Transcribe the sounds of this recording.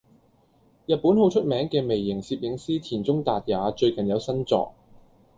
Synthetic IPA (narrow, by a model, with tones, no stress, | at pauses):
jɐ˨t̚pːuː˨˥nho˨˥wt͡ʃʰɵ˥t̚mɛː˨˥ŋkɛː˧me˨˩jːɪ˨˩ŋsiː˧p̚jɪ˨˧˥ŋsiː˥t̪ʰiː˨˩nt͡sʊ˥ŋt̪aː˨t̚jaː˨˥t͡ʃɵ˧ɥkɐ˨˩njɐ˨˧wsɐ˥nt͡sɔ̰ː˨˧k̚